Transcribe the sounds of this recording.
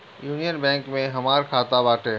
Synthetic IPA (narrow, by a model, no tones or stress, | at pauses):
juːnijənbɛ̃ːŋkmẽɦɐmaːɾkʰaːt̪abaːʈʰeː